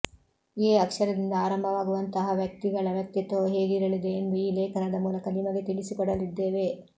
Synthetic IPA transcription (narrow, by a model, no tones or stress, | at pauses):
eɐkʂɐɾɐd̪ind̪ɐaːɾɐmbʱɐʋaːɡuʋɐnt̪ɐɦɐʋjɐk̚t̪iɡɐɭɐʋjɐk̚t̪it̪oːɦeːɡiɾɐlid̪eniːleːkɐnad̪ɐmuːlɐkɐnimɐɡet̪iɭisikɔɽɐlid̪ːe̞ːʋe̞